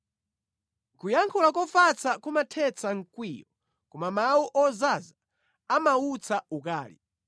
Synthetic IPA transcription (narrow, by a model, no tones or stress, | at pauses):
kujaŋkʰulak̬ɔfat͡sakumatʰɛt͡sʰaŋ̩kwiːjɔ | kɔmamawuʔɔzaza | amaut͡sʰaukaːlḭ